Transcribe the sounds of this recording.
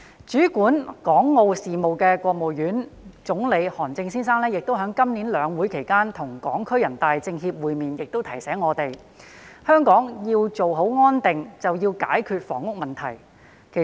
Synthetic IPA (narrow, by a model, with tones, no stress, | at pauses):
t͡ʃyː˨˥kuː˨˥nkɔː˨˥ŋːo˧wsiː˨mo˨wkɛː˧kʷwɔː˧k̚mo˨wjyː˨˥nt͡sʊ˨˥ŋle˨˧jhɔː˨˩nt͡sɪ˧ŋsiː˥nsaː˥ŋlɛː˥jɪ˨k̚t̪o˥wɦœː˨˥ŋkɐ˥mni˨˥nlœː˨˧ŋwu˨˥jkʰe˨˩jkaː˥nt̪ʰʊ˨˩ŋkɔː˨˥ŋkʰɵ˥ɥjɐ˨˩nt̪aː˨jt͡sɪ˧ŋɦiː˧p̚wuː˨˧jmiː˨njɪ˨k̚t̪o˥wt̪ʰɐ˨˩jsɛː˨˥ŋːɔː˨˧t̪e˨j | hœː˥ŋkɔː˨˥ŋjiː˧wt͡so˨wɦo˨˥wŋɔː˥nt̪ɪ˨ŋt͡sɐ˨wjiː˧wka̰ː˨˥jkʰyː˧t̚fɔ̰ː˨˩ŋːʊ˥k̚mɐ˨˩nt̪ʰɐ˨˩j | kʰe˨˩